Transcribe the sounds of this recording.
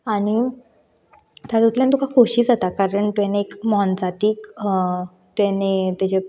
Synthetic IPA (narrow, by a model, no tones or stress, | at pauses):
aɽ̃i | t̪at̪ut̪lãnt̪ukakʰoɕiːd͡zat̪akaɾəɳt̪uaneːkmɔnt͡sat̪iːk | t̪janet̪at͡ɕe